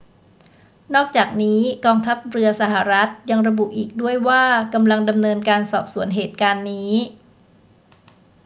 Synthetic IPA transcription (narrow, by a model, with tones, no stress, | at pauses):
nɔː˥˩k̚t͡ɕaː˨˩k̚niː˦˥kɔː˧ŋt̪ʰa˦˥p̚ɾɯ˧ɐsa˨˩ɦa˨˩ɾa˦˥t̪̚ja˧ŋɾa˧bu˨˩ʔiː˨˩k̚du˥˩əjwaː˥˩ka˧mla˧ŋda˧mnɤː˧nkaː˧nsɔː˨˩p̚su˩˦ənɦeː˨˩t̪̚kaː˧nːiː˦˥